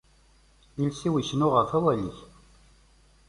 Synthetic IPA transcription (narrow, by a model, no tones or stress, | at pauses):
ilsiwiçənʊʁəfæwæliç